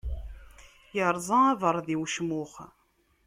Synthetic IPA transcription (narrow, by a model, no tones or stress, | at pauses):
jəɾˤzˤɑæðˤəɾˤðiwʃmʊχ